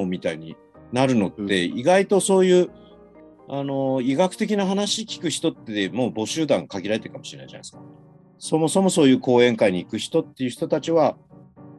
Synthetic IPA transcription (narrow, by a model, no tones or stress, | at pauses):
omʲit̪aiɲ̟ḭ | naɾɯ̟no̞t̪ːe̞iɡait̪o̞so̞ːjɯ̟ː | ano̞iɡakɯ̟t̪e̞kʲinaɦanaɕikʲi̥kɯ̟çi̥t̪o̞t̪ːed̪emo̞ːbo̞ɕɨːd̪ãŋkaɡʲiɾaɾe̞t̪eɯkamo̞ɕiɾena̰iʑa̰na̰isɨ̥ka | so̞mo̞so̞mo̞soːjɯ̟ːko̞ːẽ̞ŋkaiɲ̟iːkɯ̟çi̥t̪o̞t̪ːe̞jɯ̟çi̥t̪o̞t̪at͡ɕiβa